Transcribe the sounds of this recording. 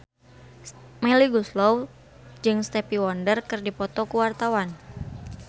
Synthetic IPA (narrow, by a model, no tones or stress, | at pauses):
mɛliɡuslɔw | d͡ʒɨŋst̪ɛpiwɔndərkɨrdipɔt̪ɔkuwart̪awan